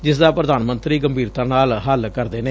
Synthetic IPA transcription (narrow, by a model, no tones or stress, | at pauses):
d͡ʒɪsd̪aːpɾəd̪aːnmənt̪ɾiːɡəmbʱiːɾt̪ãːnaːlɦəlkəɾd̪eːneː